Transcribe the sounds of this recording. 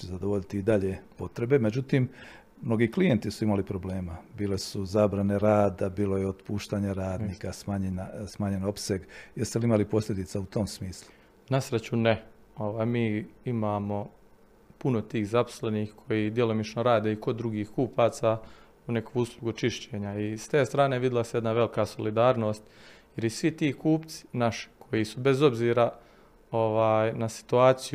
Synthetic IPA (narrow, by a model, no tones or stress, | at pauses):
ezad̪oʋo̞ʎit̪iid̪aʎepo̞t̪ɾe̞be̞me̞d͡ʑut̪iːm | mno̞ɡiːklijent̪isuimalipɾo̞bleːmabiːle̞suzaːbɾane̞ɾaːd̪abiːlo̞jeod̪puːʃt̪aːɲaɾaːd̪niːkasmaɲenasmaːɲe̞no̞pse̞ɡjest̪eliimalipo̞sʎʲed̪it̪saut̪o̞msmiːslˠu | nasɾet͡ɕune | o̞ʋaːjmiːimaːmo̞ | punot̪iːhzapo̥sle̞niːxkʰo̞jid̪je̞lo̞mit͡ʃnoɾaːd̪e̞iko̞d̪d̪ɾuɡiːhkuːpʰaːt̪sa | une̞kʰouːslˠuɡut͡ʃiʃt͡ɕeːɲaist̪e̞ːst̪ɾaːneʋid̪ilˠasjed̪naʋe̞likaso̞lid̪aːɾno̞ːst̪jeɾisʋit̪iːkuːpt̪si̥naʃi̥kʰo̞jisube̞zo̞bziːɾa | o̞ʋaːjnasi̥t̪uaːt̪siju